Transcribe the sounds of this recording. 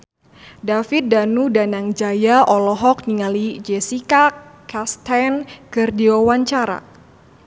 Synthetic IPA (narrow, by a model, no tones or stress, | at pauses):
dafit̪̚danudanaŋd͡ʒajaʔɔlɔɦɔk̚niŋalid͡ʒɛsikakast̪ɛnkərdiowaɲt͡ʃaɾa̰